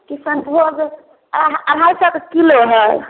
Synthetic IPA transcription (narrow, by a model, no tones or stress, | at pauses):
kisə̃nt̪oɡ | ɾɦajsəkkiloɦəj